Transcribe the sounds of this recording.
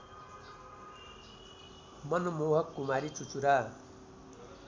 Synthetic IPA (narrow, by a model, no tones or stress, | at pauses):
mʌnmoɦʌkːumaɾit͡sut͡suɾa